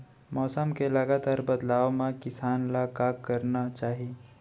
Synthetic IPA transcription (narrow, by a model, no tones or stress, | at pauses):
mɔːsəmkelɐɡaːt̪aːɾbɐd̪laːʋmãkɪsaːnlakaːkːɐɾnat͡ʃaːɦie